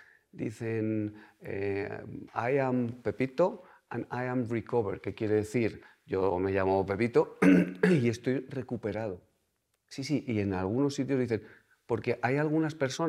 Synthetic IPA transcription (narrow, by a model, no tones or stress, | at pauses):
d̪ḭθe̞nḛ | ajampe̞pit̪o̞ | ã̰najamrikoβe̞ɾke̞kje̞ɾe̞ðe̞θiɾ | ʝo̞me̞ʎamo̞pe̞pit̪o̞ | ie̞st̪o̞jre̞kupe̞ɾað̞o̞ | sis̬iʔie̞nalɣuno̞sːit̪̬jozðiθe̞n | po̞ɾke̞ʔajalɣ̞unaspe̞ɾso̞